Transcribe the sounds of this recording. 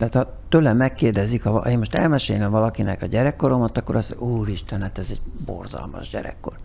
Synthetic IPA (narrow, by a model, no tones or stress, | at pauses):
t̪aːt̪hɒ | t̪øːlɛmmɛkːeːrd̪ɛzikhɒeːnmoʃt̪ɛ̰lmɛʃeːjlɛmvɒlɒkinɛ̰kɒɟɛɾɛkːo̞ɾo̞mɒt̪ɒkːo̞ɾɒsuːɾiʃt̪ɛnæt̪ɛzɛɟbo̰rzɒ̰lmɒ̰ʒɟɛ̰ɾɛ̰kːo̞̰r